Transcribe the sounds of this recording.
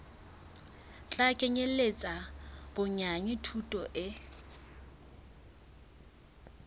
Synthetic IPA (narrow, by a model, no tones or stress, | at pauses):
t͡ɬʼakʼeɲelet͡sʼab̥ʊɲaɲɪtʰutʼɔʔɪ